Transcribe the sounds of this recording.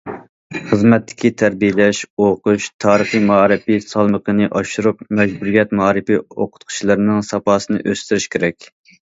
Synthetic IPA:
χəzmɛt̪ʰːɪ̥kʲʰit̪ʰæɾbijɪlɛʃoqʊʃt̪ʰɑːɾəχijmɑːɾɨpisɑlˠməqənɨʔɑʃuɾupmɛd͡ʒbuɾijɛt̪mɑɾɨpioqʰʊ̥t̪̚qʰʊ̥t͡ʃʰilˠɨɾnɨŋsɑpɑːsɨnɨʔøst̪yɾyʃkʲʰeɾɛkʲ

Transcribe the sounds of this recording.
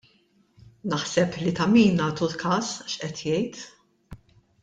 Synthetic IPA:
nɐħsɛplit̪ɐmiːnːɐːt̪ulkʰɐːsʃʔɛt̪jɛjt̪

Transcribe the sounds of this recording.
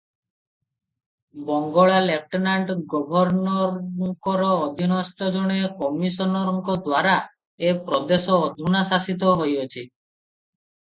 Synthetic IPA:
bɔŋɡɔɭalek̚ʈinaɳʈɡɔbʱɔɾnɔɾŋkɔɾɔːd̪ʱinɔst̪ɔd͡ʒɔɽ̃ekɔmisɔnɔɾɔŋkɔd̪waɾa | epɾɔd̪esɔːd̪ʱunasasit̪̬ɔɦojot͡ʃʰi

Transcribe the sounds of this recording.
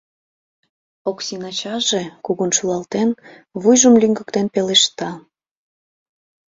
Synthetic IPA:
oksinɑt͡ɕɑʒekuɣunʃulɑlt̪en | βujʒəmlʲyŋɡəkt̪enpeleʃt̪ɑ

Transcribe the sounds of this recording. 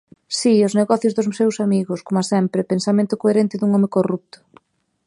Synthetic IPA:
siozneɣɔθjʊzðʊssewsamiɣʊskomasɛmpɾɪpensamẽnt̪ʊkoeɾent̪ɪðuŋɔmekorup̚t̪ʊ̥

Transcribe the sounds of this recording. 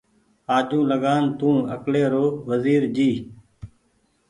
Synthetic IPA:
aːʄũːləɠaːnt̪ũːəkleːɾoːʋəziːɾd͡ʒiː

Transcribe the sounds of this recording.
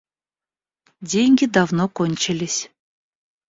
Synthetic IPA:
dʲeŋʲɡʲid̪ɑvnokonʲt͡ɕɛlʲisʲ

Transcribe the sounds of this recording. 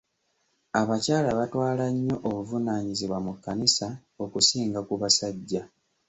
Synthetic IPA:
aβacaːlaβatwaːlaɲːo̞ʔoβuvunaːɲiziβwamukːanisaokusiːŋɡakuβasaɟːa

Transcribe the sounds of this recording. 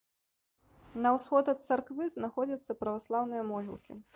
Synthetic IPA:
nɐwsxɔd̪ɐt̪̚t̪sarkvɨznaxɔd͡zʲɐt̪sːɐpɾɐvaslˠawnɨjɐmɔɦʲḭlˠkʲḭ

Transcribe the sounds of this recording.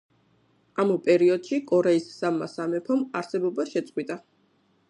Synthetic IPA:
amupʼɛɾiɔd̪̥ʃikʼɔɾɛisːamːasamɛpʰɔmaɾsɛbɔbaʃɛt̪sʼqʼwit̪ʼa

